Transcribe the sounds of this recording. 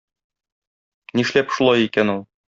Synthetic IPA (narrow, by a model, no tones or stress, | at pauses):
niʃlæpʃulˠɑjikænulˠ